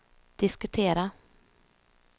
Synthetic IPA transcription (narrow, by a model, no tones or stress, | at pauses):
d̪̥ɪskɵt̪ʰeːɾa